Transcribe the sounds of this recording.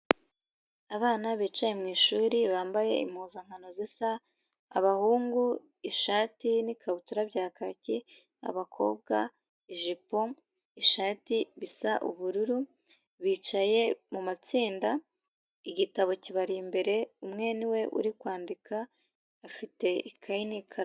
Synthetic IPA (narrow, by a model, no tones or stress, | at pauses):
aβaːnaβiːt͡ʃaje̞mŋiːʃuːɾiβaːmbaje̞̰ḭmhuːzaŋ̥hano̞zisa̰ː | βahuːŋɡu | iʃaːtinikʰaβutuɾabɟaːkaci | a̰βakʰo̞̰ːbɡa | iʒipo̞ | iʃaːtiβisaʔṵβuɾuɾu | βiːt͡ʃaje̞mumat͡siːnda | iɟitaβo̞ciβaɾimbe̞ɾe̞umŋe̞niwe̞ʔṵɾikwaːndikaː | fite̞ʔikʰainikʰa